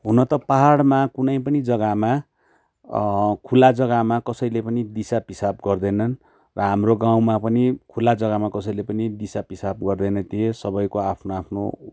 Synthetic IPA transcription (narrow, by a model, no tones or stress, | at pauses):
ɦunʌt̪ʌpaɦaɽmakunʌjpʌnid͡zʌɡama | kʰulad͡zʌɡamakʌsʌjlepʌnid̪isapɦisabɡʌrd̪ʌjnʌn | rʌɦamroɡaw̃mapʌnikʰulad͡zʌɡamakʌsʌjlepʌnid̪isapɦisab̚ɡʌrd̪ʌjnʌt̪iesʌbʌjkoapʰnoapʰno̰